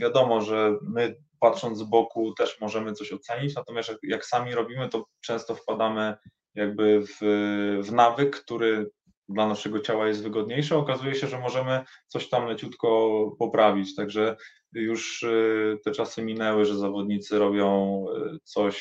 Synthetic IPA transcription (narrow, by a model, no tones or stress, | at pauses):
vʲjad̪ɔmɔʐɛmɘ | pat̪ʂɔnd̪zbɔkut̪ɛʂmɔʐɛmɘt̪sɔɕɔt̪sɛɲit͡ɕnat̪ɔmʲast̪jajaksamʲiɾɔbʲimɘt̪ɔt͡ʂɛ̃st̪ɔfpad̪amɘ | jaɡ̚bɘvvnavɘkːt̪uɾɘ | d̪lanaʂɛɡɔt͡ɕawajɛst̪vɘɡɔd̪̚ɲejʂɘɔkazujɛɕɛʐɛmɔʐɛmɘt̪sɔɕt̪amlɛt͡ɕut̪kɔpɔpɾʔavʲit͡ɕt̪aɡʐɛ | juʂ | t̪ɛt͡ʂasɘmʲinɛwɘʐɛzavɔd̪̚ɲit̪sɘɾɔbʲjɔ̃w̃t̪sɔɕ